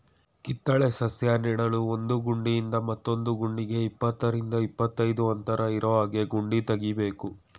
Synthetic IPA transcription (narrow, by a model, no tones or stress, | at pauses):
kit̪ːɐɭesɐsjaːnɛɽɐɭuo̞nd̪uɡuɳɖijind̪ɐmɐt̪ːo̞nd̪uɡuɳɖiɡe̞ipːɐt̪ːɐɾind̪ɐipːɐt̪ːɐjd̪uɐnt̪ɐɾɐiɾɐʋaːɡe̞ɡuɳɖit̪ɐɡibe̞ːku